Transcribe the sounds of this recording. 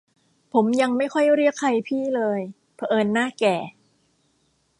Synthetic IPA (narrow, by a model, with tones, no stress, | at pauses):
pʰo˩˦mja˧ŋma˥˩jkʰɔ˥˩jɾi˥˩əkʰa˧jpʰiː˥˩lɤː˧j | pʰa˧˩ʔɤː˧nːaː˥˩kɛː˨˩